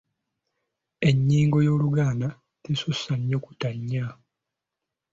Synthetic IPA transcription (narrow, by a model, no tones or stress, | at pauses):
e̞ɲːiːŋɡo̞jo̞ːluɡaːna | tesusaɲːo̞ku̥taɲːa